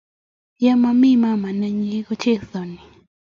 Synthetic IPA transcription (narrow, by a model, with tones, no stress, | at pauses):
ja˦ma˨mi˦ma˦ma˨na˨ɲi˨i˦kɔ˦t͡ʃɛ˦θɔ˨ni˨